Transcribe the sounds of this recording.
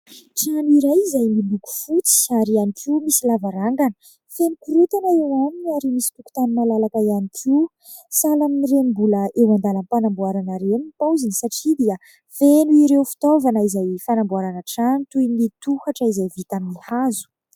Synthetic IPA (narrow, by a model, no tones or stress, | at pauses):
ʈ͡ʂaniɾajizajmiluku̥fut͡si̥aɾianikʰiumisilavaɾaŋɡanə̥ | fenukuɾut̪anaewaminiaɾimisi̥puku̥t̪anunalalakaianikʰiw | salaminiɾembuləʔewand̪alanpanambuaɾanaɾemipawzinisaʈ͡ʂid̪iə | fenuiɾewfi̥t̪ovanəizajfanambuaɾanaʈ͡ʂant̪ujnit̪uhaʈ͡ʂəizajvit̪aminihazu̥